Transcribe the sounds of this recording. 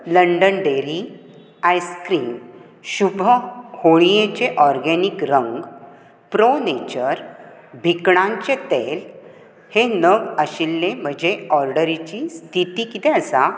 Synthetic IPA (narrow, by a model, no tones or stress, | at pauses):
ləɳɖənɖeɾi | ajskɾiːn | ɕubʱəhoɭ̃ijet͡ɕeʔɔɾɡɛnikɾəŋɡ | pɾonet͡ɕəɾ | bʱikɽãɲt͡ɕet̪el | henəɡəɕilːẽm̤əd͡ʑeɔɾɖəɾit͡ɕist̪it̪ikit̪ẽəsa